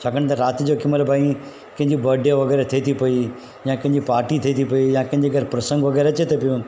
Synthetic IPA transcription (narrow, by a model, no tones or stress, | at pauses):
t͡ʃʰakəɽ̃t̪ɐɾaːt̪d͡ʑokɪmːəlbʱaːĩ | kɐ̃ɦɪ̃ɲd͡ʑibɐɖjəʋɐɡɛːɾet̪ʰiit̪ʰipɐi | jãːkɐ̃ɦɪ̃ɲd͡ʑipaːɾʈit̪ʰiit̪ʰipɐijãːkɐ̃ɦɪ̃ɲd͡ʑeɡʱɐɾpɾɐsə̃ŋɡʋɐɡɛːɾeɐt͡ɕet̪ʰepijũ